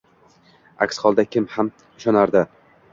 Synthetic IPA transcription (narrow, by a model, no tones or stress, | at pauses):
a̰kʲsχɒlˠd̪akʲʰɪmham | ɪʃɒnaɾd̪ɪ